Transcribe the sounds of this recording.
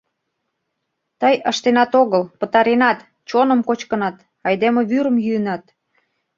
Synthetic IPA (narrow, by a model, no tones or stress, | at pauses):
t̪əjəʃt̪enɑt̪oɣəlpət̪ɑɾenɑt̪ | t͡ɕonə̆mkot͡ɕkənɑt̪ | ɑjd̪emeβyɾə̆mjyənɑt̪